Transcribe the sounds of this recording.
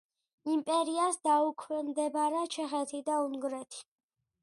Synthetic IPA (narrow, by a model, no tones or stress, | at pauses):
impʼɛɾiasd̪aukʰwɛnd̪ɛbaɾat͡ʃʰɛχɛt̪ʰid̪auŋɡɾɛt̪ʰi̥